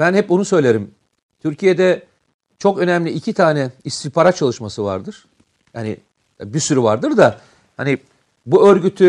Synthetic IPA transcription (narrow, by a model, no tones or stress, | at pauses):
bænhɛp̚bunusø̞jlʲe̞ɾim | t̪ʰyɾcʰije̞d̪ɛ | t͡ʃʰo̞kø̞næmlʲiːcʰit̪ʰaːnɛist̪ʰipʰaɾat̪̚t͡ʃʰalˠɯʃmasɯva̰ɾd̪ɯɾ̥ | jaːni | bisyɾyvaɾd̪ɯɾd̪a | hani | buø̞ɾɟyt̪ʰy